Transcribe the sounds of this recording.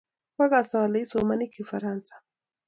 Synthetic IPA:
waɡasawalaisɔumanikifaɾansḁ

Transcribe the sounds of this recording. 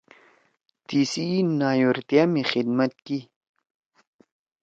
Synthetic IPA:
t̪isinaːjoɾt̪ijamixid̪mat̪̚ki

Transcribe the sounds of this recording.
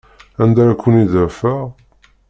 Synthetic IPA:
ænd̪æɾækʷːəniðəfəʁ

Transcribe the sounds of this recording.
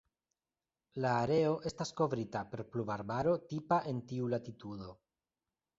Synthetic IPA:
laːɾe̞o̞ʔe̞stasko̞vɾitape̞ɾplubaɾbaɾo̞tipaʔe̞ntiulatitudo̞

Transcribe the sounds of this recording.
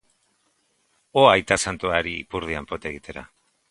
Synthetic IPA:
oajt̪asant̪oaɾiːpuɾð̞iampo̞t̪e̞ɣit̪e̞ɾa̰

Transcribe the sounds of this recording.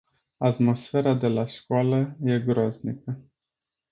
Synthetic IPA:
at̪mo̞sfe̞ɾad̪e̞laʃkoaləje̞ɡɾoznikə

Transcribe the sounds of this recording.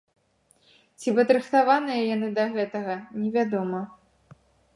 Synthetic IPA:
t͡sʲipɐd̪ɾɨxt̪avanɨjɐjanɨd̪ɐɣɛt̪ɐɣɐnʲɛvʲad̪ɔmɐ

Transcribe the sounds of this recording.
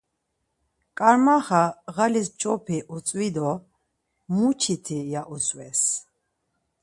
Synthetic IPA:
kʼaɾmaχaʁalist͡ʃʼɔpʰiʔut͡sʼwid̪ɔ | mut͡ʃʰit̪ʰijaʔuswɛs

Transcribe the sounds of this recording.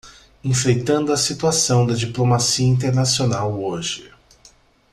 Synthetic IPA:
ẽfɾejt̪ɐ̃nd̪ʊɐsit̪uasɐ̃w̃d̪ɐd͡ʒiplomasiɐĩnt̪̬eɾnasionawoʒɪ

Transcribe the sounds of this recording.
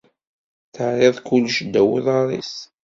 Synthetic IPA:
θəʕɾɪðˤkʊlːʃd̪ːæwəðˤɑɾˤḭs

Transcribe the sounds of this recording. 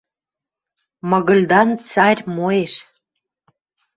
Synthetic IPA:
mɤ̆ɣə̆lʲd̪ɑnt͡sɑɾʲmoeʃ

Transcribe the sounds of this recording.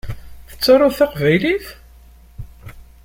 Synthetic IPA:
θə̥t͡sːɑrˤːʊθaqvæjliθ

